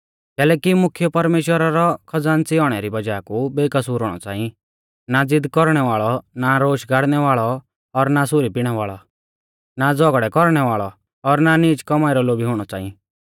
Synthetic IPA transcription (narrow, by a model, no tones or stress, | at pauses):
kɛːlɛːkimʊkʰjɔpɐɾmeːʃwəɾaɾɔkʰɐd͡zaːnt͡sɪɔɽ̃ɛɾibɐd͡ʒaːkubeːkɐsuːɾɔːɽ̃ɔ̰t͡sa̰ːĩ | nad͡zɪd̪kɔɾɽ̃ɛʋaːɭɔnaɾoːʃɡʱaːɽnɛʋaːɭɔ | ɔɾnasʊɾipɪɽ̃ɛʋaːɭɔ | nad͡zɔɡɽɛkɔɾɽ̃ɛʋaːɭɔ̰ | ɔɾnaniːt͡ʃkɔmaːɪɾɔloːbiɦʊːɽ̃ɔt͡sa̰ːḭ̃